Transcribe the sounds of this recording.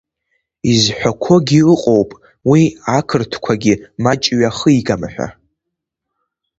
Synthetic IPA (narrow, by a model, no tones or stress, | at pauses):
izħʷᶣakʷʰo̞ɡʲiɨqʼo̞wpʼ | wiakʰɨrtʰkʷʰaɡʲimat͡ʃʼɥaχəiɡamħʷᶣa̰